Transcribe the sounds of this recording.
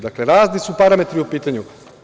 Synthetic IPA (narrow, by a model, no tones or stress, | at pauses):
d̪akleɾaːznisupaɾame̞t̪ɾiupiːt̪aɲu